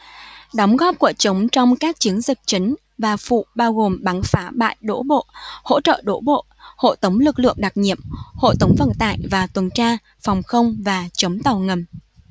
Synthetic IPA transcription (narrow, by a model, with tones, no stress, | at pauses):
ɗɔ˨˦wŋ͡mɣɔ˦˥p̚ku˧˩ət͡ɕə˨˦wŋ͡mt͡ɕɔ˧wŋ͡mkaː˦˥k̚t͡ɕi˨˦əŋzi˨˩k̚t͡ɕï˨˦ŋ̟ | vaː˨˩fṵ˧˨ɓaː˧wɣo˨˩mɓa˨˦nfaː˨˦ɓa̰ː˧˨jɗo̰˧˥ɓo̰˧˨ho̰˧˥t͡ɕə̰ː˧˨ɗo̰˧˥ɓo̰˧˨ho̰˧˨t̪ə˨˦wŋ͡mlɨ˨˩k̚lɨ̰˧˨əŋɗa˨˩k̚ɲḭ˧˨əmho̰˧˨t̪ə˨˦wŋ͡mvə̰˧˨nt̪a̰ː˧˨jvaː˨˩t̪wə˨˩nt͡ɕaː˧ | fɔ˨˩wŋ͡mxə˧wŋ͡mvaː˨˩t͡ɕə˨˦wŋ͡mt̪a˨˩wŋə˨˩m